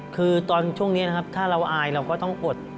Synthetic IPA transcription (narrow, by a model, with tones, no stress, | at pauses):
kʰɯː˧t̪ɔː˧nt͡ɕʰu˥˩əŋni˦˥na˦˥kʰa˦˥p̚t̪ʰaː˥˩ɾa˧wʔaː˧jɾa˧wkɔː˥˩t̪ɔ˥˩ŋʔo˨˩t̪̚